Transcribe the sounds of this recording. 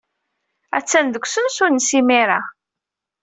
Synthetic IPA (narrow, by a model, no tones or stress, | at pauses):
æ̰t͡sːænd̪əkʷːsənsuɾnsimiɾa